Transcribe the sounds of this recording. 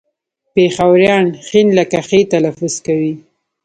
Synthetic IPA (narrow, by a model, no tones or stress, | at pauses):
pexawɾjɑnxinlakaxet̪alafʊz̥kawi